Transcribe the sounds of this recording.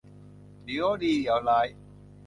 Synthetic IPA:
di˨˦o˦diː˧˨ja˨˧˦la˨˧˦j

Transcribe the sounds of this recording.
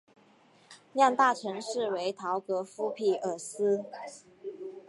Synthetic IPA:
ljɑ˥˧ŋt̪a˥˩ʈ͡ʂʰɤ˧˥ŋʂɻ̩˥˩we˧˥ɪt̪ʰɑ˧˥ʊkɤ˧˥fu˥pʰi˨˩ə˨˩sɹ̩˥

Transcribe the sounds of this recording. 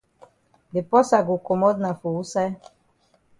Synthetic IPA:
d̪e˨pɔ˦sa˨ɡu˨kɔ˨mɔ˦d̪na˨fu˨u˦sɛ˦

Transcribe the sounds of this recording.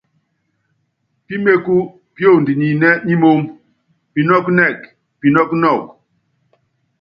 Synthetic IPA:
pi˦me˦ku˦ | pjo˦˨ndi˨ɲi˨nɛ˦ɲi˦mo˦ŋ | pi˨nɔ˦knɛ˦˨k | pi˨nɔ˦knɔ˦˨k

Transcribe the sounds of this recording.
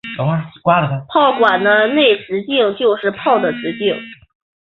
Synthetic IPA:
a˥˩kwa˥lə˨˩ka˧˩pʰɑ˥˩ʊkwa˨˩nnə˦ne˥˩ɪʈ͡ʂɻ̩˧˥t͡ɕi˥˧ŋt͡ɕjo˥˧ʊʂɻ̩˥˧pʰɑ˥˩ʊd̪ə˩ʈ͡ʂɻ̩˧˥t͡ɕi˥˩ŋ

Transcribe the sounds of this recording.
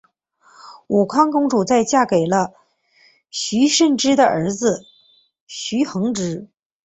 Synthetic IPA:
u˨˩kʰwɑ˥ŋkʊ˥ŋʈ͡ʂu˨˩t͡sa˥˧ɪt͡ɕja˥˩ke˨˩ɪlə˦ | ɕy˧˥ʂə˥˩nʈ͡ʂɻ̩˥d̪ə˨ʔə˞˧˥d͡zɹ̩˧ | ɕy˧˥xɤ˧˥ŋʈ͡ʂɻ̩˥

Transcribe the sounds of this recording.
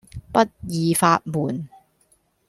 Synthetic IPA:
pɐ˥t̚jiː˨˧faː˧t̚muː˨˩n

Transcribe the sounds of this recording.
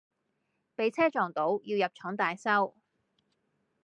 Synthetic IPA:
pe˨˧jt͡sʰɛː˥t͡ʃɔː˨ŋt̪o˨˥wjiː˧wjɐ˨p̚t͡ʃʰɔː˨˥ŋt̪aː˨jsɐ˥w

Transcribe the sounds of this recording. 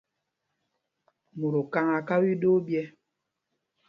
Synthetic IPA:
mu˨ɾo˨ka˦ŋa˨ka˦bi˦do˦bjɛ˦

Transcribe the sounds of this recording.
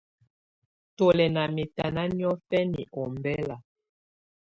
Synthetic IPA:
to˨lɛ˨na˨mi˨ta˨na˦njɔ˦fɛ˦nḭ˨ʔɔ˨mbɛ˦la˨

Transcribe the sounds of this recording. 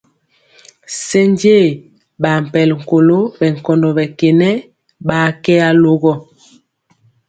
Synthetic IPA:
se˦nd͡ʒe˦˨ | ba˨m̩˨pɛ˨lŋ̩˨ko˨lo˦bɛ˨ŋ˨kɔ˨ndɔ˨bɛ˨ke˨nɛ˦ | ɓa˨˦kɛ˦a˦lo˦ɣɔ˦˨

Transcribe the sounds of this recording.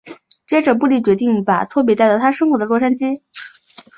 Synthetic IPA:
t͡ɕjɛ˥ʈ͡ʂɤ˨˩pu˥˧li˥˩t͡ɕɥɛ˧˥t̪i˥˩ŋpa̰˨˩t̪ʰwɔ˥˩p̬jɛ˧˥t̪a˥˧˩t̪ʰa˥ʂɤ˥ŋxwɔ˧˥d̪ə˦lwɔ˥˩ʂa˥nt͡ɕi˥

